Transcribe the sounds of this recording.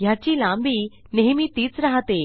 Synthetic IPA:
jat͡ɕiːlãmbiː | neɦmiːt̪iːt͡sɾaɦat̪e

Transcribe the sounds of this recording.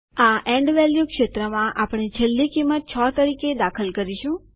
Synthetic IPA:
aʔẽɳɖʋɛljukʃet̪ɾəmãʔapɳ̃it͡ʃʰəlːikimːət̪̚t͡ʃʰɔt̪əɾiked̪akʰəlkəɾiʃũ

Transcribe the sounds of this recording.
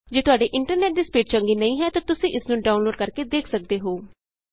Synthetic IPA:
d͡ʒeːt̪ʊaːɖeːʔɪɳʈəɾnɛːʈ̚d̪iːspiːʈ̚t͡ʃəŋɡiːnəĩːɦɛːt̪ãːt̪ʊsĩːʔɪsnũːɖaːʊnloːɖ̚kəɾkeːd̪eːkʰsək̚d̪eːɦoː

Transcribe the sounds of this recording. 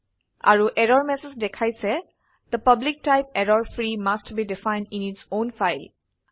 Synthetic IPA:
a̰ɹuʔɛɹɔɹmɛsɛsdɛkʰajsɛ | d̪̥əpʌblik̚tajp̚ɛɹɔɹfɹimastbidifãj̃ndĩnitsõnfajl

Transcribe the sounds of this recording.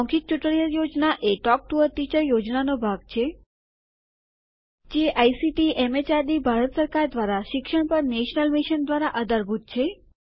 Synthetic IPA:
ɔŋkik̚t͡ʃʊʈɭijəɾjod͡ʒnaʔeʈɔk̚ʈuʋəɾt̪it͡ʃəjod͡ʒnanobʱaɡ̚t͡ʃʰe | d͡ʒeʔajsiʈiʔɛmet͡ʃaɾd̪ibʱaɾət̪səɾkaɾd̪ʋaɾaʃɪkʃəɳpəɾneʃnəlmiʃənd̪ʋaɾaʔəd̪əɾbʱut̪̚t͡ʃʰe

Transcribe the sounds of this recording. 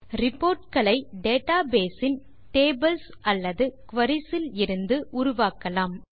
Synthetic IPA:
ɾɪpːoːɾʈkɐɭɐɪɖeːʈaːbeːsɪn | ʈeːbɐlsɐlːɐðɯkʋɐɾɪsɪlɪɾɯnd̪ɯʔʊɾʊʋaːkɐlaːm

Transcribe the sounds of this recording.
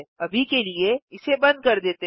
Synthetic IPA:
ɐbʱikelieɪsebɐ̃nd̪̚kɐɾd̪eːt̪e

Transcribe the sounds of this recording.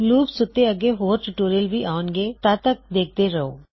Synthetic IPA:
luːbsʊt̪ːeɐɡeɦoːɾʈʊʈoːɾijəlbʱiʔaːʊnɡet̪aːt̪ək̚d̪eːk̚ʰt̪eɾɐoː

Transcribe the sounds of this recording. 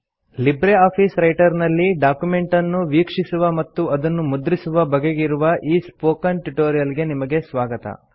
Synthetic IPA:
libɾeaːpʰiːsɾɐjʈɐɾnɐlːiɖaːkjume̞ɳʈɐnːuʋiːkʂisuʋɐmɐt̪ːuʔɐd̪ɐnːumud̪ɾisuʋɐbɐɡeɡiɾuʋɐʔiːspoːkɐnʈuʈoːɾijɐlɡe̞nimɐɡe̞sʋaːɡɐt̪ɐ̰

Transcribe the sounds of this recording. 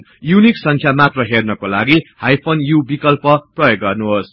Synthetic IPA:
juniksʌŋkʰjamat̪rʌɦernʌkolaɡihajpʰonjubikʌlpʌprʌjoɡːʌrnuɦos

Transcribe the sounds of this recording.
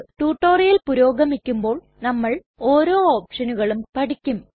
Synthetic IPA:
ʈuːʈːo̞ːrijɐlpuɾo̞ːɡɐmikʲːumbo̞ːɭ | nɐmːɐɭ | o̞ːɾo̞ːoːpʂɐnuɣɐɭumpɐʈikʲːum

